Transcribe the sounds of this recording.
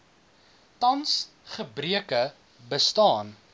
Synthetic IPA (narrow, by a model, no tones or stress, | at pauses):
tɐns | χəbriəkə | bəstɑːn